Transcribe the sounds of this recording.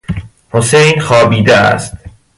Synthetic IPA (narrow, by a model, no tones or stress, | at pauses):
hosejnxɒːbiːd̪eæ̰st̪